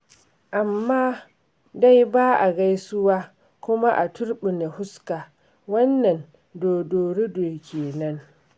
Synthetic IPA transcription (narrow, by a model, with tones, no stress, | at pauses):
ʔa˨mːaː˦ | da˦jbaː˦ʔa˨ɡa˦jsʊ˦waː˦ | kʷʊ˦ma˦ʔa˨tʰʊ˦ɽɓɪ˨na˨hʊ˦ska˨ | wɐ˦nːɐ˨n | doː˨doː˨ɽe˦doː˨kʲeː˨nɐ˦ŋ